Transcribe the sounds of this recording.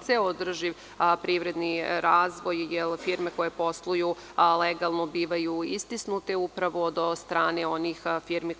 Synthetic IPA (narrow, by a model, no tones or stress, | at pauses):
seod̪r̩ʒi | pɾiʋɾe̞d̪niɾaːzʋo̞jjelfiɾme̞ko̞jepo̞slˠuju | leɡalˠnobiːʋajuist̪isnut̪e̞upɾaʋod̪ost̪ɾaːneo̞nixfiːɾmi